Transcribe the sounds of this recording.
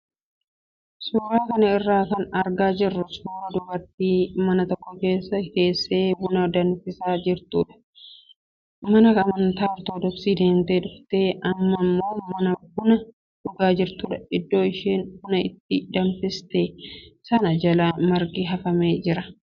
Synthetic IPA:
suːɾaːkɐnɐɪrːaːkɐnɐɾɡaːd͡ʒɪrːʊsuːɾɐd̪ʊbɐɾt̪iːmɐnɐt̪ɔkːɔke̞ːsːɐke̞ːsːe̞ːbʊnɐd̪ɐnfɪsaːd͡ʒɪɾt̪uːᶑɐ̥ | mɐnɐkɐmɐnt̪aːɾt̪oːd̪ɔksiːd̪eːnt̪eːᶑʊft̪e̞ːʔɐmːɐmːo̞ːmɐnɐbʊnɐ | ᶑʊɡaːd͡ʒɪɾt̪uːᶑɐɪd̪ːo̞ːɪʃeːnbʊnɐɪt̪ːɪd̪ɐnfɪst̪eːsɐnɐd͡ʒɐlaːmɐɾɡiɦɐfɐme̞ːd͡ʒɪɾɐ

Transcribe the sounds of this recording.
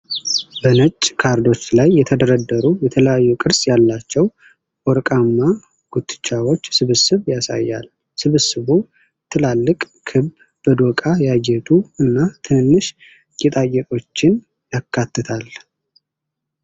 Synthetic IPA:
bənət͡ʃʼːkʰaɾd̪o̞t͡ʃːlajːɛt̪ʰəd̪əɾəd̪ːəɾujɛt̪ʰələjajːukʼɨɾsjalːat͡ʃːɛw | ɔɾkʼamːa | ɡ̥ut̪ʰʼːɨ̥t͡ʃʼːawo̞t͡ʃːsɨβɨsɨβjasa̰jːa̰l | sɨβɨsɨβu | t̪ʰɨlalːɨkʼ | kʰɨb | bəd̪okʼajaɡɛt̪ʼuɨnːat̪ʰɨnːɨʃ | jɛt̪ʼajɛk̪ʼo̞t͡ʃːɪn | jakːat̪ːɨt̪ʰal

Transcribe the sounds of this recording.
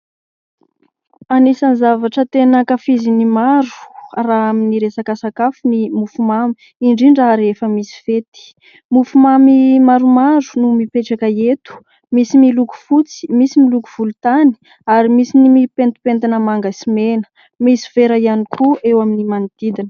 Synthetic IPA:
anisanizavaʈ͡ʂət̪enəkafizinimaɾ̥uraaminiɾesakasakafunimufumami̥ | iɳɖ͡ʐiɳɖ͡ʐaɾefəmisi̥fet̪i̥ | mufumamimaɾumaɾu̥numipeʈ͡ʂakəet̪u̥ | misimiluku̥fut͡si̥misimilukuv̥ulut̪ani̥ | aɾimisinimipent̪u̥pent̪inəmaŋɡasimenə̥ | misi̥veɾaianikʰuʔewaminimanid̪̥id̪inə̥

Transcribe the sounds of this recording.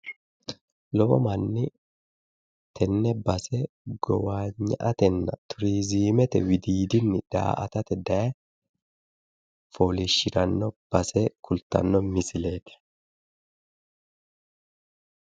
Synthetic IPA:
lɔbɔ̰mɐnːɪ | t̪ʰɛnːɛbɐsɛ | ɡɔwaːɲːɐ̰ʔɐt̪ɛnːɐt̪ʰʊɾiːziːmɛt̪ɛwɪd̪iːd̪ɪnːɪd̪̥a̰ːʔɐt̪ɐt̪ɛd̪ɐɛ | foːliʃːɪɾɐnːɔb̥ɐsɛkʰʊlt̪ɐ̰nːɔmɪsɪleːt̪ɪ̥

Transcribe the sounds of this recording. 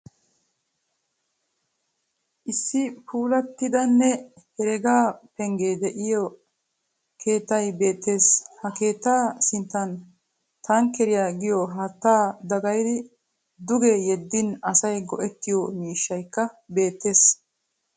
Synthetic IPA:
ʔɪsːɪpuːlɐt̪ːɪd̪ɐnːɛ | hɛɾɛɡaːpɛŋɡeːd̪ɛʔɪjɔ | kʰe̞ːt̪ːɐjbe̞ːt̪ːe̞ːshɐke̞ːt̪ːaːsɪnt̪ːɐn | t̪aːŋkɛɾɪjaːɡɪjɔɦɐt̪ːaːd̪ɐɡɐjd̪ɪ | d̪ʊɡɛjɛd̪ːɪnɐsɐjɡɔʔɛt̪ːɪjɔmiːʃːɐjkːɐ | be̞ːt̪ːe̞ːs

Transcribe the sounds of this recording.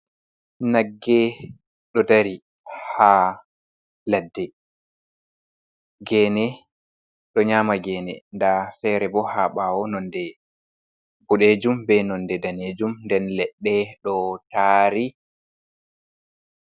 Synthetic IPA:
naɡːɛ | ɗɔtaɾi | ha | ladːɛ | ɡɛːnɛ | ɗɔɲaːmaɡɛːnɛ̰ndafɛɾɛbɔhaɓaːwɔnɔndɛ | fuɗed͡ʒumbɛnɔndɛdaned͡ʒumndɛnlɛɗːɛɗɔtaːɾi

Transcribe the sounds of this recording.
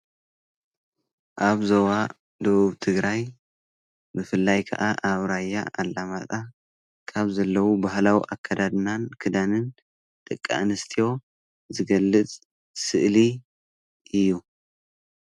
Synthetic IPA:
ʔaβzowa | d̪ɐβuβt̪ʰɨɡɾaj | mɨfɨlːajkʰɐ̰ʔaʔaβɾajːa̰ʔalːamat̪ʼa | kʰaβzɐlːɐwubahlawḭʔakʰːad̪ad̪nankʰɨd̪anɨn | t̪ʼɨkʼːa̰nɨst̪ʰijo̞ | zɨɡɐlːɨt͡sʼ | sɨʔli | ʔɨjːu

